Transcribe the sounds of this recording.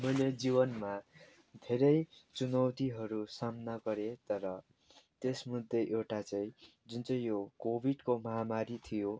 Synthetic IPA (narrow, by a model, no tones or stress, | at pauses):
mʌjled͡zibʌnma | d̪ʱeɾʌjt͡sunʌwt̪iɦʌɾusamnaɡʌɾet̪ʌɾʌ | t̪esmud̪ːeʔewʈat͡saĩ | d͡zunt͡sʌj̃jokobʱiɖkomʌɦamaɾit̪ʰijo